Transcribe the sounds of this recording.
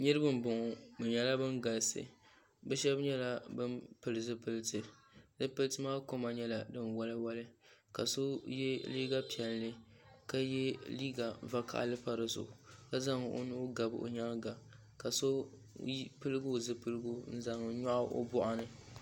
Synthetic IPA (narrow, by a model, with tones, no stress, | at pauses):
ɲɨ˦ɾɨ˦bɨ˦m˦bʊ˨ŋʊ˨bɨ˨ɲɛ˨la˦bɨ˦nɡa˨lsɨ̰˨ | bɛ˦ʃɛ˦bɲɛ˦la˦bɨ˦mpɨ˨lɨ˨zɨ˦pɨ˦˨lɨ˦tɨ˨ | zɨ˦pɨ˦lɨ˦tɨ˦maː˦ko˦ma˨ɲɛ˦la˨dɨ˦nwa˦lɨ˦wa˦lɨ˦ka˨so˦jɛ˦liː˦ɡa˦pi˨ɛ˨lːɨ˦ | ka˦jɛ˦liː˦ɡa˨va˦ka̰˨ʔlɨ˦pa˦ɾɨ˨zʊ̰˨ka˦za˦ŋ˨ʔo̰˦nu˦ɡa˨bo̰˨ɲa˦lɡa˨ | ka˨so˦ | pɨ˦lɨ˦ɡʊ˦˨zɨ˦pɨ˦lɨ˦ɡo˦n̩˦za˨ŋ˨˦ɲɔ˦ʔa˦ʔo̰˦bʊ˦ʔa˦nɨ˨